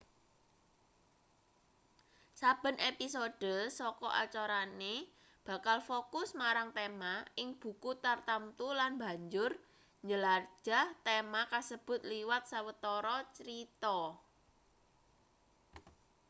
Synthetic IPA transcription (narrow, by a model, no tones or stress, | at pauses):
sab̥ə̤nʔepisoɖ̥əsɔkɔʔa̰t͡ʃoɾane | b̥a̤kalfokʊsmaɾaŋt̪emaɪŋb̥ṳkut̪art̪amt̪ulanba̤ɲd͡ʒʊr | ɲd͡ʒəlard͡ʒ̥a̤ht̪emakasəb̥ʊ̤t̪liwat̪̚sawət̪ɔɾɔt͡ʃɾit̪ɔ